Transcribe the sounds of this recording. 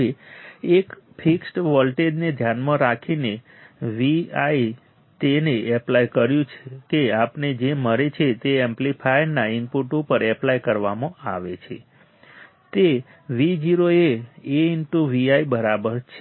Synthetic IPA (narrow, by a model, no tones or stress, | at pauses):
eekpʰiksʈʋɔlʈeɖned̪ʱjanmãɾakʰine | ʋiai | t̪eneɛplajkəɾjũt͡ʃʰekeapned͡ʒeməɾet͡ʃʰet̪eemplipʰajɾnaɪnpuʈupəɾɛplajkəɾʋamãaʋet͡ʃʰe | t̪e | ʋid͡ʒiɾoeeinʈuʋiaibəɾabəɾt͡ʃʰe